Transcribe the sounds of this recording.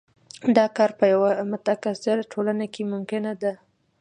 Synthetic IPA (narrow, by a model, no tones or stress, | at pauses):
d̪ɑkɑɾpəjawamʊt̪akasɪɾaʈʰolanakemʊmkɪnad̪a